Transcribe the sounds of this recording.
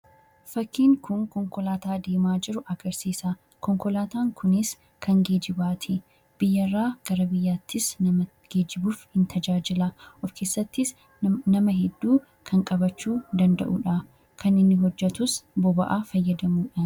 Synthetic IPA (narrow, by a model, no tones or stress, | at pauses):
fɐkːiːŋkʊŋkɔŋkɔlaːt̪aːd̪eːmaːd͡ʒɪɾʊʔɐɡɐɾsiːsa | kɔŋkɔlaːt̪aːŋkʰʊnɪs | kʰɐŋɡe̞ːd͡ʒɪbaːt̪ʰɪ | b̥ɪjːɐrːaːɡ̥ɐɾɐbɪjːaːt̪ʰːɪsnɐ | ɡ̥e̞ːd͡ʒɪbuːfhɪnt̪ʰɐd͡ʒaːd͡ʒɪlɐʔɔfke̞ːsːɐt̪ːɪs | nɐmɐɦɛd̪ːuː | kʰɐŋkʼɐbɐt͡ʃːuːd̪ɐnd̪ɐ̰ʔṵːᶑa | kɐnɪnːɪɦɔd͡ʒːɛt̪ʊsbɔbɐʔaːfɐjːɐd̪ɐmuːᶑɐ